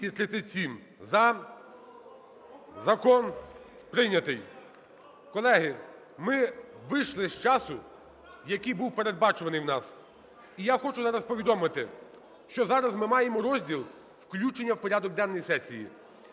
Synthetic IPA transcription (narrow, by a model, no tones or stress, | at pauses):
it̪ɾɪt̪ɪsʲim | zɐ | zɐkɔn | pɾɪnʲɐt̪ɪj | kɔlˠɛɦɪ | mɪʋɪʃlˠɪsʲt͡ʃɑsʊ | jɐkijbuwpe̞ɾed̪̚bɑt͡ʃʊʋɐnɪjwnɑs | ijaxɔt͡ʃʊzɑɾɐspɔʋʲid̪ɔmɪt̪ɪ | ʃt͡ʃɔzɑɾɐzmɪmɑjemɔɾɔzʲdʲilˠ | wklʲut͡ʃenʲːɐwpɔɾʲad̪ɔɡ̚d̪ɛnɔjisɛsʲijḭ